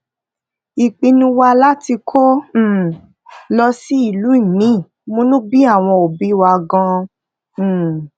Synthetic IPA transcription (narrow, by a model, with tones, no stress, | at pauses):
i˨k͡pi˧nũ˧wa˧la˦ti˧kʰõ˦˨ | lɔ˧si˦i˦˨lu˨˦i˦˨mĩ˨˦˨ | mõ˦nũ˦bi˦a˦˨w̃ɔ̃˧o˨bi˨˦wa˧ɡã˧˨